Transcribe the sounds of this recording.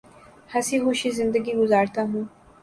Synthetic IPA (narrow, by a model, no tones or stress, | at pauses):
hɐsiɦoːʃizɪ̃nd̪əɡiɡʊzaːɾt̪aɦũː